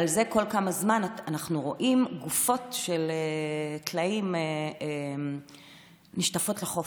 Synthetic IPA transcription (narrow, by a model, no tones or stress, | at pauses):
alze̞ko̞lkamazmananaχnuʁo̞ʔimɡufo̞tʃeletlaimeem | niʃtafo̞tleχo